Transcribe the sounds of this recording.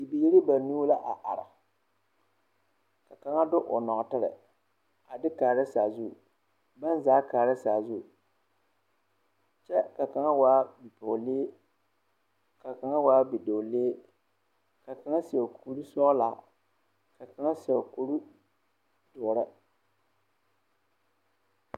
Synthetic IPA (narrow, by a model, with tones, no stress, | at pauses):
i˨bi˨ji˦ɾi˦ba˨nuː˦la˦ʔa˨ʔa˨ɾa̰˨ | ka˨ka˨ŋa˦dʊ˦ʔʊ˨nɔ˨ʔtɨ˦ɾɨ̰˨ | a˨dɪ˦kaː˨ɾɨ˦saː˨zu˦˨ | ba˦n˦zaː˨˦kaː˨ɾɨ˦saː˨zu˦˨ | t͡ʃɛ˦ka˨ka˨ŋa˦waː˦bi˨pʊ˨leː˦ | ka˨ka˨ŋa˦waː˦bi˨do˨leː˦ | ka˨ka˨ŋa˦si˨ɛ˨kʰu˨˦ɾu˦sɔ˦la̰ː˨ | ka˨ka˨˦ŋa˦sɛ˨ku˦ɾu˦ | d̥ʊ˨ʊ˨ɾɨ˦